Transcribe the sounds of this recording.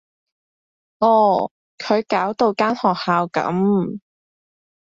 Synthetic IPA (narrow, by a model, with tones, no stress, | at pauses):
ʔɔː˨˩ | kʰɵ˨˧ɥkaː˨˥wt̪o˧wkaː˥nhɔː˨k̚haː˨˧wkɐ̰˨˥m